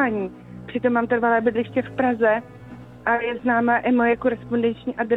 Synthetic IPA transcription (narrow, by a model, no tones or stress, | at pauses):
aːɲiː | pr̝̥ɪt̪o̞mːaːmt̪ɛɾvalɛːbɪdlɪʃcɛfpɾazɛ | ʔajɛznaːmaʔɪmojɛkoɾɛspondɛnt͡ʃɲiːʔadɾ